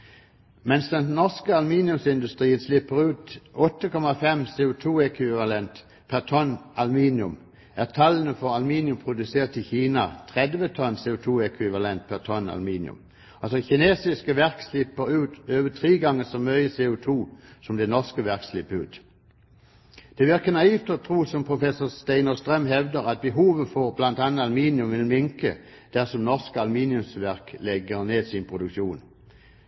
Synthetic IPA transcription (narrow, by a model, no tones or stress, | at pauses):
mɛnsd̪ɛnnɔʁskəɑlmiːnjʉmsɪnd̪ʉst̪ʁiːənslɪpːəʁʉːt̪ɔt̪ːəkɔmɑfɛmseːʊt̪ʰuːɛkʰʋɪʋɑlɛnt̪ | pʰæʁt̪ʰɔnɑlmiːnɪʉm | ʔæːʁt̪ʰɑlənəfɔʁɑlmiːnɪʉmpʰʁʊd̪ʉseːʁt̪ɪçiːnɑt̪ʰʁɛd̪ʋət̪ʰɔnseːʊt̪ʰuːɛkʰʋɪʋɑlɛnt̪̚pʰæʁt̪ʰɔnɑ̰lmiːnɪ̰ʉ̰m | ɑlsɔçɪneːsɪskəʋæʁkslɪpːəʁʉːt̪øːʋət̪ʰʁiːɡɑŋːəsɔmœʏəseːʊt̪ʰuːsɔmd̪ɛnɔʁskəʋæʁkslɪpːəʉːt̪ | d̪̥ɛʋɪʁkənɑiːft̪ɔt̪ʰʁuːsɔmpʰʁʊfɛsʊʁst̪æɪnəst̪ʁœmɦɛʋd̪əʁɑt̪̚bəɦuːʋəfɔʁblɑnt̪ɑnəɑlmiːnjʉmʋɪnmɪŋkə | d̪̥æʁsɔmnɔʁskəɑlmiːnɪʉmsʋæʁklɛɡəʁneːsɪnpʰʁʊd̪ʉkʃuːn